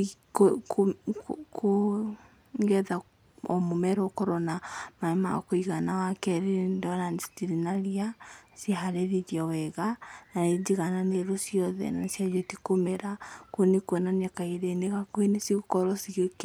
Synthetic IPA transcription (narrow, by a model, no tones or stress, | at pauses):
kokoko | ɡɛða | ɔmomɛɾɔkɔɾɔnamaema̰koiɣanawakɛɾendɔɾanstiɾinaɾiasjehaɾeɾeɾjawɛɣanaed͡ʒiɣananeɾosjɔðɛ̰nasjad͡ʒɔtikomeɾakoenekwɛnanakaiɾeneɣakwenesiɣokɔɾɔsiɣek